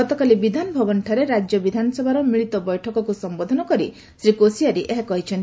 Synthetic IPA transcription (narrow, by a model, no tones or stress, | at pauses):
ɔt̪ɔkalibid̪ʱanɔbʱɔbɔnʈʰaɾeɾad͡ʒjɔbid̪ʱanɔsɔbʱaɾɔmiɭit̪ɔbɔjʈʰɔkɔkusɔmbod̪ʱɔnɔkɔɾi | sɾikosiaɾiʔeɦekɔɦit͡ʃʰɔn